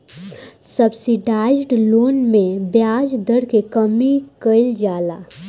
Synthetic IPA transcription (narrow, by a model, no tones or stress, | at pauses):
səbsiɖaːd͡ʒʈloːnmẽbjaːd͡ʒd̪əɽkekəmikəɪld͡ʒaːlaː